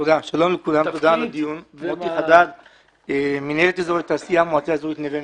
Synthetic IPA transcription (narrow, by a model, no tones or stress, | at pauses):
t̪od̪aʃalo̞mlekulamt̪od̪alad̪ijunmot̪iχad̪al | minelet̪ezoet̪asijamoat͡seazoit̪neve